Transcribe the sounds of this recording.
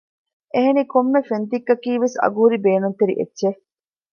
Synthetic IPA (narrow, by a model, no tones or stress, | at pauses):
ʔeɦenikomːefend̪iɡːɐkiːʋesɐ̰ɡuɦuɾibeːnunt̪eɾḭʔḛdːʃe